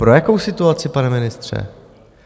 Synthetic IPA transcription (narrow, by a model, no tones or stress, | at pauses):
pɾo̞jako̞wsɪt̪uat͡sɪpanɛmɪnɪst̪r̝̥ɛ̰